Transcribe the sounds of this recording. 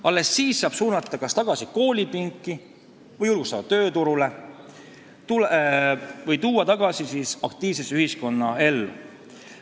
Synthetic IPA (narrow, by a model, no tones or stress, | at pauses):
ɑlːe̞sːiːsːɑːb̥suːnɑt̪ːˑɑkɑst̪ɑɡ̥ɑsiko̞ːlʲipiŋkːˑi | vɤjulɡ̥u̥st̪ɑd̪̥ɑt̪ø̞ːt̪uɾule | t̪ul | vɤjt̪uːɑt̪ɑɡ̥ɑsisiːsɑkt̪iːvse̞syhisko̞nːɑe̞lːṵ